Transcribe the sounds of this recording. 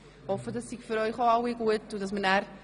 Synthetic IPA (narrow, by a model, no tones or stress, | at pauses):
hɔfədɑsːikfyɾœʏχoawiɡuətʊdɑsmənæɾ